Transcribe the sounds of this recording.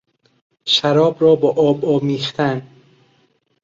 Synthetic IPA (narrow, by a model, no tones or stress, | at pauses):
ʃæɾɒːbɾɒːbɒʔɒːbɒːmiːxt̪ʰæn